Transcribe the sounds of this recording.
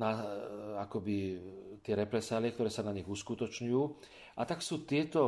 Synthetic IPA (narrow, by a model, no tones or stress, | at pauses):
naakɔbit̪ɪɛɾɛpɾɛsaːliɛkt̪ɔɾɛːsanaɲiɣuskut̪ɔt͡ʃɲujuː | ʔat̪aksuːt̪ɪɛt̪ɔ